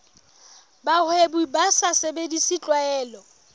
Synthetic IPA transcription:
bahwebuibasasebedisɪt͡ɬʼwaɛːlɔ

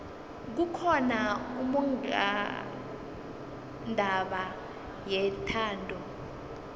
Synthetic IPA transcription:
k̬ukʰɔnaumu | ndʱaɓa | jɛtʰaːndʱɔ

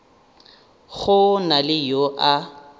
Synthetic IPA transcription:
ɣʊnalɪjoʔa

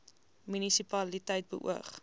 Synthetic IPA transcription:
mynisipɐlitəjt̚bə̰ʔṵəχ

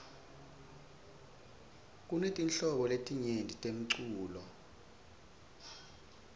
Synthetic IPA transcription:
k̬ʼunetʼinɬɔɓɔletʼiɲentʼitʼem̩ǀuːlɔ

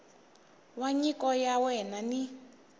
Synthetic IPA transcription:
waɲikʼɔjawɛnani

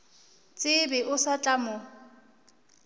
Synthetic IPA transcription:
t͡sʼɪbɪʔʊsat͡ɬʼamʊ

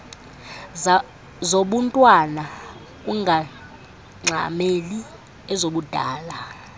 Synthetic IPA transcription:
zoɓuntʼwana | uŋɡʱa | ŋ͡ǀʱa̰meli | ɛzoɓud̥ʱaːla

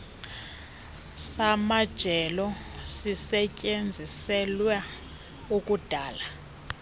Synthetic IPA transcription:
samad̥ʒ̥ʱɛlɔ | sisɛcʼend͡zʱisɛlwa | ukʼud̥ʱaːla

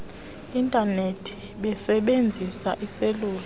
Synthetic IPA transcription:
intʼanetʰi̥ | ɓɛsɛɓend͡zʱisaʔiseluːl

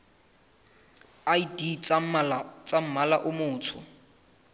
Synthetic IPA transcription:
aidi | t͡sʼam̩malaʔʊmʊːt͡sʰʊ̰

